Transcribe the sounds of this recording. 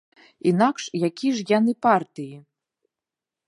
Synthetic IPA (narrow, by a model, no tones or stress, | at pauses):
inakʂjakʲiʂjanɨpart̪ɨji